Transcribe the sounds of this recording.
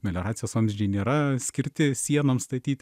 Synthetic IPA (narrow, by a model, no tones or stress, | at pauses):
mʲɛlʲoɾɑːt̪ʲɪjoːsɐmʲʒʲd͡ʒʲɛɪnʲeːɾɐsʲkʲɪɾʲt̪ʲɪsʲiɛnɐmst̪ɐt̪ʲiːt̪ʲ